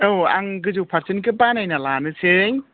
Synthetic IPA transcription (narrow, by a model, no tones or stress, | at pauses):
ɯwa̰ŋɡɯd͡ʒuwpʰaɾsinkɯbanajnalanɯseŋ